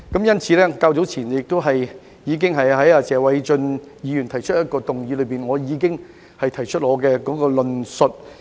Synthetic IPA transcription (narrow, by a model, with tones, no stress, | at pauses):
kɐ˨˥mjɐ˥nt͡sʰiː˨˥lɛː˥kaː˧wt͡so˨˥wt͡sʰiː˨˩njɪ˨k̚t̪o˥ɦɐ˨j | jiː˨˧k̬ɪ˥ŋɦɐ˨jɦɐ˨˥jaː˧t͡sɛː˨˧wɐ˨˥jt͡ʃɵ˧n | jiː˨˧jy˨˩nt̪ʰɐ˨˩jt͡ʃʰɵ˥t̚jɐ˥t̚kɔː˧t̪ʊ˨ŋjiː˨˧lɵ˨˧ɥpiː˨˩nŋɔː˨˧jiː˨˧kɪ˥ŋ | hɐ˨jt̪ʰɐ˨˩jt͡ʃʰɵ˥t̚ŋɔː˨˧kɛː˧kɔː˨˥kɔː˧lɵ˨nsɵ˨t̚